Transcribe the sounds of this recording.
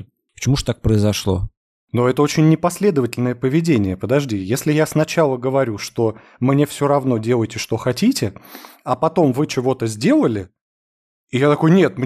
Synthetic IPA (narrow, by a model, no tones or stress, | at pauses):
pə̥t͡ɕɪmuʐt̪ak̚pɾəɪzɐʂlˠo̞̰ | noɛt̪əo̞t͡ɕɪnʲːɪpɐsʲlʲe̞d̪əvətʲɪlʲnəjəpəvʲɪdʲenʲɪjəpəd̪ɐʐdʲijesʲlʲɪjasnɐt͡ɕalˠəɡəvɐɾʲuʂt̪o̞ | mnʲe̞fsʲoɾɐvno̞dʲe̞lˠəjʲtʲɪʂt̪o̞xɐtʲitʲɪɐpɐt̪o̞mvɨt͡ɕɪvo̞t̪əzʲdʲe̞lˠəlʲɪ | ɪjat̪ɐko̞jnʲet̪̚m